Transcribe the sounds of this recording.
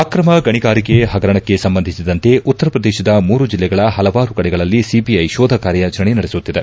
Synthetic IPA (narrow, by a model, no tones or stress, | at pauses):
aːkɾɐmɐɡɐɳiɡaːɾikeɦɐɡɐɾɐɳɐkːesɐmbɐnd̪ʱisid̪ɐnt̪e̞ʔut̪ːɐɾɐpɾɐd̪eːʃɐd̪ɐmuːɾud͡ʒilːɛɡɐɭɐɦɐlɐʋaːɾukɐɽɛɡɐɭɐlːisibiɐjʃɔːd̪ʱɐkaːɾjɐt͡ʃɾɐɳinɐɽesut̪ːid̪e